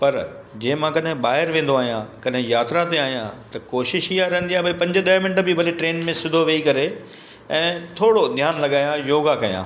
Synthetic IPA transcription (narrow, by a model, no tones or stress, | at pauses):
pɐɾ | d͡ʑẽːmãkɐɗɦɪ̃ɓaːɦɪɾʋẽːn̆d̪oaːɦijãkɐɗɦɪ̃jaːt̪ɾat̪eaːɦijãt̪ɐkoːʃɪʃiːaɾɐɦə̃n̆d̪ijaːbɐipɐ̃ɲd͡ʑʊɗ̪ɐːmɪ̃nʈbibʱɐliʈɾeːnmẽsʊd̪ʱoʋeikɐɾe | ɛ̃ːt̪ʰoːɽod̪ʱjaːnlɐɡaːjãjoːɡakɐjã̰ː